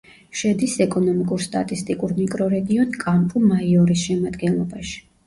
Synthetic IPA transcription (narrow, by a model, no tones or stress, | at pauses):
ʃɛd̪isɛkʼɔnɔmikʼuɾst̪ʼat̪ʼist̪ʼikʼuɾmikʼɾɔɾɛɡiɔnkʼampʼumaiɔɾisʃɛmad̪ɡɛnlˠɔbaʃi̥